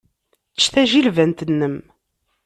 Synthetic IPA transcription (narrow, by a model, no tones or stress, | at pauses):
t͡sːθæʒilvænt̪ənːəm